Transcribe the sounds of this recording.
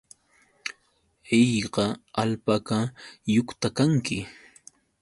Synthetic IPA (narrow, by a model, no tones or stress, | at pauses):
ejɢɑalpakajʊkt̪akaŋkɪ